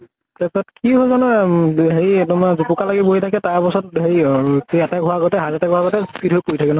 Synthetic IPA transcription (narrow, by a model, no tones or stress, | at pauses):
tɛsɔtkiɦɔzanɛɦeiɛtɔmazupukalaɡɛboɦitʰakɛtaɹpɔsɔtɦejkejataɡʱɔɦaɡɔtɛɦazataɡʱɔaɡɔtɛkidɦojkoɹitʰakɛnɔ